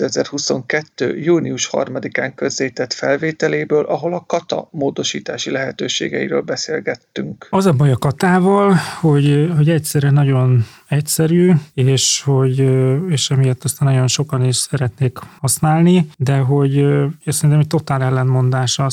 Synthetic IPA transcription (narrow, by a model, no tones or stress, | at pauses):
øɛzɛrhuso̞̰ŋkɛt̪ːø̰ːjuːniuʃhɒ̰rmɒd̪ikaːŋkø̞zːeːt̪ɛt̪fɛlveːt̪ɛleːbøːlʔɒɦo̞lɒkɒt̪ɒ̰moːd̪o̞ʃiːt̪aːʃilɛɦɛt̪øːʃḛːɡɛ̰ḭɾø̰ːlbɛsḛːlɡɛt̪ːy̰ŋkɒzɒbɒjɒkɒt̪aːvɒlho̞ɟɦo̞ɟɛcsɛɾɛnɒɟo̞n | ɛcsɛɾyːeːʃho̞ɟeːʃɒmijɛt̪ːɒst̪aːnːɒjo̞nʃo̞kɒniʃsɛɾɛt̪neːkhɒsnaːlnid̪ɛɦo̞ɟ̪sɛɾint̪ɛmɛc̚t̪o̞t̪aːlɛlːɛnmo̞nd̪aːʃɒ